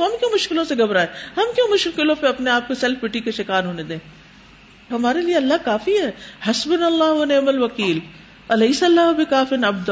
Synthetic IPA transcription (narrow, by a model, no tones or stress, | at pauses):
ɦɐmkjõːmʊʃkɪlõseɡɐbɾaːɛːhɐmkjõːmʊʃkɪlkɪlõpeɐpneaːp̚kosɛlfbɪʈikeʃɪkaːɾɦoːned̪ẽː | ɦɐmaːɾelieɐlːaɦkaːfiɦɛːhɐsbɪnɐlːaːɦɐneːmɐlʋɐkiːl | ɐlɐisɐlːaːɦbɪkaːfɪnɐbd̪ɐ